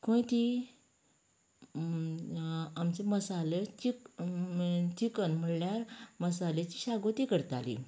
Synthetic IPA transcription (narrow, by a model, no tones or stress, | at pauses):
kõĩt̪i | amt͡seməsalet͡ɕik | t̪ikənm̤əɽljaɾməsalet͡ɕi̥ɕaɡot̪ikəɾt̪alḭ